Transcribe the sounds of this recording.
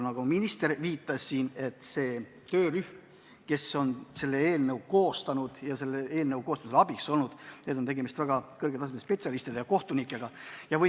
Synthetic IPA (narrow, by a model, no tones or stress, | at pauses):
nɑɡ̥ominist̪e̞ɾviːt̪ːˑɑsːiːne̞t̪ːˑse̞ː | t̪ø̞ːryhm | ke̞so̞nse̞lːeeːlnewko̞ːst̪ɑnud̪̥jɑse̞lːeeːlnəwko̞ːst̪ɑmiselɑbikso̞lnud̪̥ne̞d̪ot̪e̞ɡe̞mist̪væɡ̥ɑkɤrɡ̥et̪ɑsemspe̞t̪ʲsiɑlist̪id̪ejɑko̞ht̪unikːˑe̞ɡ̥ɑjɑvɤ